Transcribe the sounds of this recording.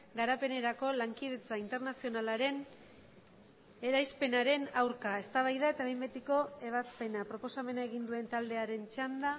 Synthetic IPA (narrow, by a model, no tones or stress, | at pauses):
ɡaɾape̞ne̞ɾako̞laŋkið̞e̞t͡saint̪e̞ɾnasio̞nalaɾe̞n | e̞ɾajspe̞naɾe̞nawɾkae̞st̪aβ̞ajðaet̪aβembet̪iko̞e̞βaspe̞napɾo̞po̞same̞nae̞ɣind̪ue̞nt̪ald̪e̞aɾe̞nt͡ʃand̪a